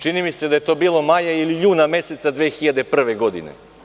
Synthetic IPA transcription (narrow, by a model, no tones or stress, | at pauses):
t͡ʃinimise̞d̪ajet̪o̞ːbiːlo̞majailiʎuːnamje̞se̞t̪sad̪ʋeːxiʎad̪epr̩ʋe̞ɡo̞d̪ḭnḛ